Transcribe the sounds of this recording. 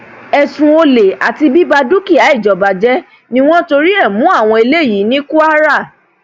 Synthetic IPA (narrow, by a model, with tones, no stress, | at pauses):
ɛ˨sũ˨˧o˧le˨a˨ti˧bi˦ba˧du˦ki˦˨a˨˦i˦˨d͡ʒɔ˨ba˨d͡ʒɛ˦ | nĩ˦w̃ɔ̃˦to˧ɾi˦ɛ˦˨mũ˨˦a˦˨w̃ɔ̃˧i˧le˦˨ji˨˦nĩ˦ku˦a˦ɾa˦˨